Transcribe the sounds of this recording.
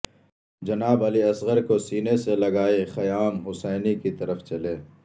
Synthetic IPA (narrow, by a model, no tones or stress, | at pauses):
d͡ʒɐnaːbɐliɐsɣəɾkosiːneselɐɡaːexɐjaːnɦʊsɛːnikit̪ɐɾəft͡ʃɐleː